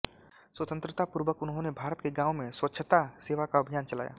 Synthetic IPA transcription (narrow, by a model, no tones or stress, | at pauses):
swət̪ə̃nt̪ɾət̪apʊɾʋəkʊnɦõnebʱaːɾət̪keɡãːʊ̃mẽswətːʃʰət̪aseːʋakaɐbʱijaːnt͡ʃɐla̰ːja̰ː